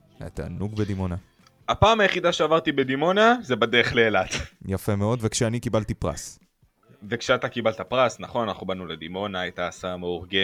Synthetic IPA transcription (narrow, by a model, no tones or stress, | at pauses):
a̰t̪a̰ːnuɡbed̪imo̞na | apaːmajeχid̪aʃeavaʁt̪ibe̞d̪imo̞nazebad̪eeχleːlat̪jafe̞meo̞d̪vekʃeanikibalt̪ipʁa̰s | ve̞kʃeat̪akibalt̪apʁasnaχonanaχubanuled̪imo̞naajtaːsameuʁɡe